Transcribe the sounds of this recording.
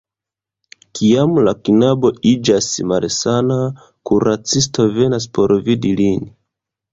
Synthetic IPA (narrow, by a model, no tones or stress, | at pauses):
kʰiamlakinabo̞id͡ʒasmalsana | kuɾat͡sisto̞ve̞nas̬po̞ɾvidilin